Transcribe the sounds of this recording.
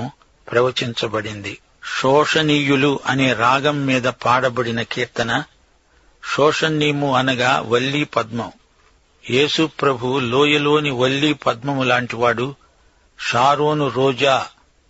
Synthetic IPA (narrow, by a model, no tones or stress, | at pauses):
m | pɾɐʋɐt͡ʃiɲt͡ʃɐbɐɽind̪i | ʂɔːʂɐniːjuluʔɐne̞ːɾaːɡɐmːiːd̪ɐpaːɽɐbɐɽinɐkiːɾt̪ɐnɐ | ʃɔːʂɐnːiːmuɐnɐɡaːʋɐɭːiːpɐd̪mɐm | je̞ːsupɾɐbʱuloːjɐlo̞ːniʋɐɭːiːpɐd̪̚mɐmlaːɳʈiʋaːɽu | ʃaːɾoːnuɾɔːd͡ʒaː